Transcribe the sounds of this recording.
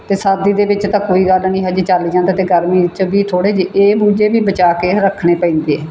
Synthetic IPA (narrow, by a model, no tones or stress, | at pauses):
t̪eːsaːd̪iːd̪eːbɪt͡ʃt̪ãːkoːiːɡəlnĩːɦəd͡ʒiːt͡ʃəliːd͡ʒãːnd̪aːt̪eːɡəɾmĩːt͡ʃbiːt̪ʰoːɽeːd͡ʒiːʔeːbuːd͡ʒeːbiːbət͡ʃaːkeːɾəkʰɽ̃eːpɛ̃ĩːnd̪eːɛː